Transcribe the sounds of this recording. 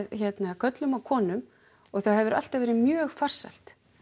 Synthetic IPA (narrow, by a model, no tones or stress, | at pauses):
ðçɛt̪nakʰœt̪lʏmawkʰɔːnʏm | ɔɣθahɛvʏɾʔa̰l̥t̪avɛːɾɪmjœːɣfar̥sa̰l̥t̪